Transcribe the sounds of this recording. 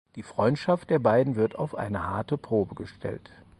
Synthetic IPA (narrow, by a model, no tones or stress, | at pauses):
d̥iːfʁ̥ɔʏntʃaft̚d̥eːɐbaɪdn̩vɪɐta̰ʊfʔa̰ɪnəhaɐtəpʁ̥oːbəɡəʃtʰɛ̰lt